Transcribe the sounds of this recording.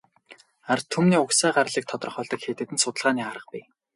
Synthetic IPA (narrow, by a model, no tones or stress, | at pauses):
art̪ʰːumniːʊksæːɢaɾ̆ɮiːk̚t̪ʰɔt̪rɞ̆χɔːɮt̪ɞ̆kxeːt̪ɘ̆t̪ɘ̆nsʊt̪ə̆ɮʁaːniːaɾə̆q̚pi